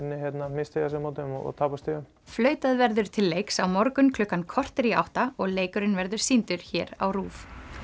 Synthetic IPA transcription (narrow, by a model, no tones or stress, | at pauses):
nːɪçjɛt̪namɪst̪ʰeɣas̬ɛmawt̪mɔɔ̰t̪ʰaːpast̪ɪːɣʏm | flœːɥt̪aðvɛɾðʏɾ̥t̪ʰɪlːeːjksawmɔɾkʏnkʰlʏkːankʰɔr̥t̪ɾia̰wht̪aɔɣleːjkʏɾɪnvɛɾðʏɾ̥siːnt̪ʏɾ̥çɛːɾa̰wruːf